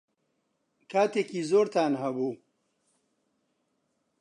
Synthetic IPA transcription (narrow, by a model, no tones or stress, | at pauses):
kaːt̪ekizoːɾt̪aːnɦɐbu